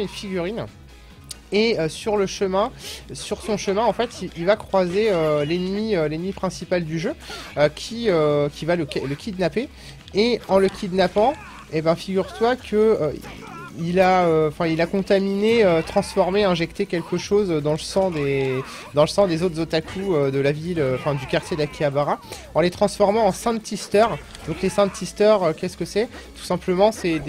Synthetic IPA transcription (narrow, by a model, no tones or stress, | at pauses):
ynfiɡʲyʁin | eøsyʁləʃəmɛ̃syʁsɔ̃ʃəmɛ̃ɑ̃fɛt̪iilvakχwazeølenmiølenmipχɛ̃sipald̪yʒøøkʲʰiøkʲivaləkɛləkʲid̪napeː | ɑ̃ləkʲid̪napɑ̃ | ebɛ̃fiɡʲyʁt̪wakʰəø | ilaøɑ̃fɛ̃ilakɔ̃t̪amineøt̪χɑ̃sfɔʁmeɛ̃ʒɛkt̪ekʲɛlkəʃozød̪ɑ̃ləsɑ̃d̪e | d̪ɑ̃ləsɑ̃d̪ezot̪χzot̪akʰuød̪əlaviløɑ̃fɛ̃d̪ykaʁt̪jed̪lakʲiabaʁa | ɑ̃let̪χɑ̃sfɔʁmɑ̃ɑ̃sɛ̃t̪ist̪œʁ | d̪ɔ̃klesɛ̃ist̪œʁøkʲɛskəsɛ | t̪u̥sɛ̃pləmɑ̃sɛd̪